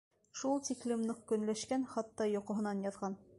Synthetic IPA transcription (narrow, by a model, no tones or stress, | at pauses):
ʃulˠt̪iklɘ̆mnɤq̚kɵ̆nlæʃkænχɑt̪ːɑjŏqŏɦɤ̆nɑnjɑðʁɑn